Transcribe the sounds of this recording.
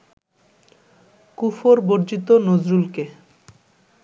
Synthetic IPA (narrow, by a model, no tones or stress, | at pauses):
kufoɾboɾd͡ʑit̪onod͡ʑɾulke